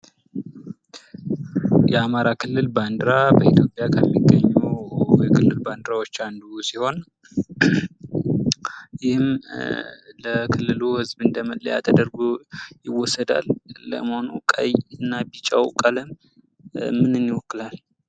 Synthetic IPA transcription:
jɛamaɾakʰɨlːɨlband̪ɾabəit̪ʰjo̞pʼjakʰəmːiɡːəɲːujɛkʰɨlːɨlband̪ɾawo̞t͡ʃːand̪usiho̞n | jɪhɪm | ləkʰɨlːɨluhɨzbɨnd̪əmələ̰ja̰t̪ʰəd̪əɾɡujɪwːɔsːəd̪a̰lːə̰mhonukʼə̰jɨnːabit͡ʃʼa̰wkʼələm | mɨnɨnːiwɔkːɨlal

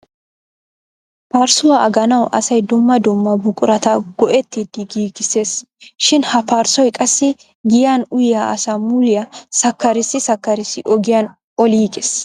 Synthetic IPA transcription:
paːɾsʊwaɐɡɐnɐwʔɐsɐjd̪ʊmːɐd̪ʊmːɐbʊkʼʊɾɐt̪ɐɡ̥ɔʔɛt̪ːid̪ɪɡiːɡɪse̞ːs | ʃɪnhɐpaːɾsɔjkʼɐsːɪ | ɡɪjaːnʊjɪjaʔɐsaːmʊlɪjasɐkːɐɾɪsɪsɐkːɐɾɪsːɪʔɔɡɪjaːn | ʔɔliːɡes

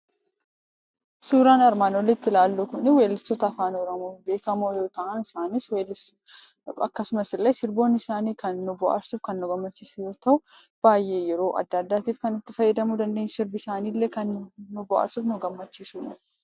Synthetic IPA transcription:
suːɾaːnɐɾmaːno̞ːlːeɪt̪ːɪlaːlːoːkʊnɪweːlɪsɔt̪ɐːfaːnoːɾɐmube̞ːkɐmoːjo̞ːt̪ɐʔɐnɪsaːniswel | ɐkːɐsʊmɐsɪlːɐjsɪɾbo̞ːnɪsaːniːkɐnːʊbʊʔa̰ɾsuːfkɐnːʊɡɐmːɐt͡ʃːisjo̞ːt̪ɐʔʊ | b̥aːjʔe̞ːjɛɾo̞ːʔɐ̰d̪ːɐd̪ːaːt̪iːfkɐnɪt̪ːɪfɐjːɛd̪ɐmuːd̪ɐnd̪eːɲsɪɾbɪsaːniːlːekɐnːʊbʊʔa̰ːɾsuːfnʊɡɐmːɐt͡ʃːiːsuːnɐ

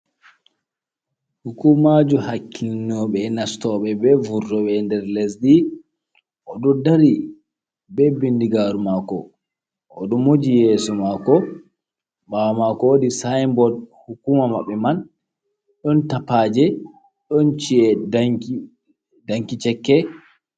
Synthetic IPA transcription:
hukumad͡ʒuhakʰːinːɔɓɛnastɔɓɛbɛvuɾːɔɓɛndɛɾlɛsɗi | ʔɔɗɔdaɾi | bɛbindiɡaɾumakɔ | ɔ̰ɗɔmod͡ʒijɛːsɔmakɔ | ɓawamakɔwodisajmbɔdhukumama̰ɓːɛman | ɗɔntapaːd͡ʒɛ | ɗɔnt͡ʃiɛ | daŋkit͡ʃɛkːɛ

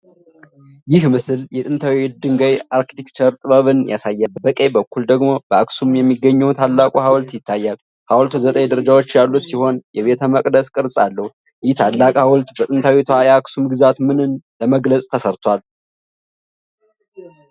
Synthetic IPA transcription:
jɪhmɨsɨljɛt̪ʼɨnt̪ʰawid̪ɨŋɡəjaɾkt̪ikt͡ʃəɾt̪ʼɨβəβɨnja̰sajːalbəkʼebəkʰːuld̪əɡmo̞bəaksumjɛmːiɡəɲːɛwt̪ʰalːakʼuɦawlt̪jɪt̪ːajːal | hawlt̪ʰuzət̪ʼəjd̪əɾəd͡ʒawot͡ʃːjalːut̪siho̞njɛβe̞t̪ʰəməkʼd̪əskʼɨɾsʼalːəhu | jɪht̪ʰalːakʼawʊlt̪ʼbət̪ʼɨnt̪ʰawit̪ʰajaksumɡɨzat̪mɨnɨnləməɡləsʼt̪ʰəsəɾt̪ʰwal

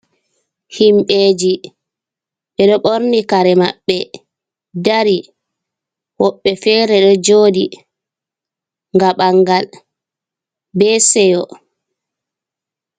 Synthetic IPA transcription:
himɓeːd͡ʒi | ɓɛɗɔɓoɾnikaɾɛmaɓːɛ | daɾi | wɔɓːɛfɛːɾɛɗɔd͡ʒoːdi | ŋɡaɓaŋɡal | bɛːsɛjɔ

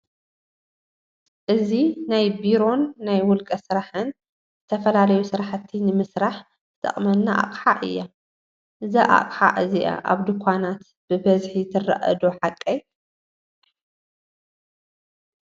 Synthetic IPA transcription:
ʔɨzinajbiɾo̞nːajwʊlkʼɐsɨɾaħɨn | zɨt̪ʰɐfɐlalɐjusɨɾaħt̪ʰːinɨmɨsɾaħ | zɨt̪ʰʼɐ̰χʼmɐnːaʔa̰qʼħaʔɨ̰jːa | ʔɨzaʔa̰qʼħaʔɨziʔa̰ʔa̰βd̪ɨkʰʷːanat̪ | b̥ɨbɐzħit̪ʰɨrːa̰ʔɐ̰d̪oħakʼːɐ

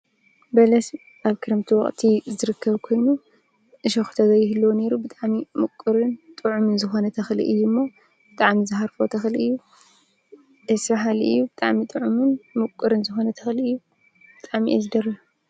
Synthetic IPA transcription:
bɐlɐs | ʔaβkʰɨɾɨmt̪ʰiwɔ̰χʼt̪ʰizɨɾɨkʰːɐβkʰo̞jnu | ʔɨʃɐxu̥t̪ʰɐzɐjɪhɨlːɐwne̞ɾubɨt̪ʼaʕmimɨkʼːɨɾɨnt̪ʼɨʕumɨnzɨxo̞nɐt̪ʰɐxlḭʔɨjːumːa | bɨt̪ʼaʕmizɨhaɾfot̪ʰɐxlʔɨjːu | ʔɨsfaħalʔɨ̰jːubɨt̪ʼaʕmit̪ʼɨʕumɨnmɨkʷʼɨɾɨnzɨxo̞nɐt̪ʰɐxlɨjːu | b̥ɨt̪ʼaʕmiʔɐ̰zɨd̪ɐɾɐh

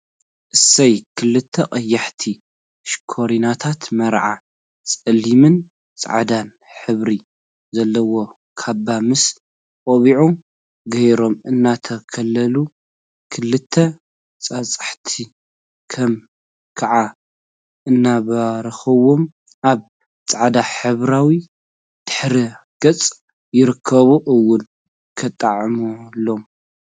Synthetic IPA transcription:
ʔɨsɐjkʰɨlɨt̪ʰːɐqʼɐjːaħt̪ʰi | ʃkʰoɾinat̪ʰat̪mɐɾʕa̰ | t͡sʼɐlːimɨn | t͡sʼa̰ʕad̪an | ħɨβɾi | zɐlːɐwo̞ | kʰabːamɨs | kʼoβiʕu | ɡɐjɾo̞mɨnːat̪ʰɐkʰɐlːɐlu | kʰɨlːɨt̪ʰːɐ | t͡sʼat͡sʼḁħt̪ʰi | kʰɐm | kʰaʕa | ʔɨnːaβɐɾɐxɐwo̞m | ʔaβ | t͡sʼaʕd̪aħɨβɾawi | d̪̥ɨ̥ħɾiɡ̥ɐt͡sʼ | jɪɾɨkʰːɐβuʔɨwːʊn | kʰɐt̪ʼːaʕmulo̞m

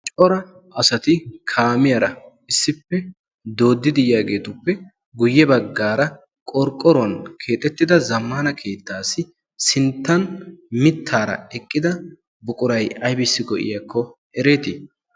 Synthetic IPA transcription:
t͡ʃʼɔɾɐ | ɐsɐt̪ɪkʰaːmɪjɐɾɐ | ɪsːɪpːɛ | d̪o̞ːd̪ːɪd̪ɪjjaːɡe̞ːt̪ʊpːɛ | ɡʊjːɛbɐɡːaːɾɐ | kʼɔɾkʼːɔɾʊwɐnkʰe̞ːt̪ʼːɛt̪ːɪd̪ɐzɐmːaːnɐkʰe̞ːt̪ːaːsɪ | sɪnt̪ːɐnmɪt̪ʰːaːɾɐ̰ɛkʼːɪd̪ɐ | bʊkʼʊɾɐjɐjbɪsːɪɡɔʔɪ̰jɐkʰːɔ | ɛɾe̞ːt̪ɪ

